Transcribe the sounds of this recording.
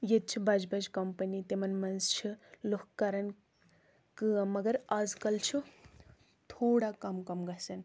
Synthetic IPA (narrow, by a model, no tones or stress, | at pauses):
jet̪̚t͡ʃʰubɐd͡ʒbɐd͡ʒkɐmpɐnit̪emɐnmɐnzt͡ʃʰulokkaɾɐn | kɨmɐɡɐɾad͡zkɐlt͡ʃʰu | t̪ʰoːɽakɐmkɐmɡɐt͡sʰɐn